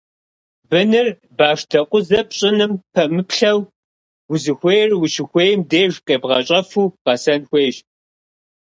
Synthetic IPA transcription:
bɨnɨr | baːʂtʰɐqʷʼʊzɐpɕʼɪnɨmpʰɐmɨpɬɐw | wʊzɨxʷejrwʊʃɪxʷeːjmdeːʒqʼeːbʁɐɕʼɐfuːqɐsɐnxʷeːʒ

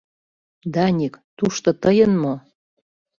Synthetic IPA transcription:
d̪ɑnʲikt̪uʃt̪ŏt̪ɤjənmo

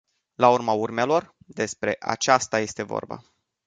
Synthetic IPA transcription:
laurmaurmelo̞r | d̪e̞spɾe̞̰ʔa̰t͡ʃast̪aje̞st̪e̞vo̰rba̰

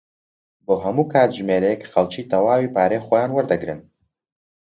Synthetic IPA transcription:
boːɦɐmuːkʰaːt̪ʒmeːɾɛjɛkxɐlˠt͡ʃiːt̪ɐwaːwipaːɾeːxojaːnwɐɾd̪ɐɡɾɨn

